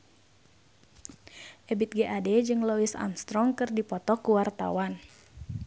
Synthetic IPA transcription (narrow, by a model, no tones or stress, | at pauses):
ʔɛbit̪̚ɡɛʔadɛd͡ʒɨŋloisa̰nst̪ɾɔŋkɨrdipɔt̪ɔkuwart̪a̰wan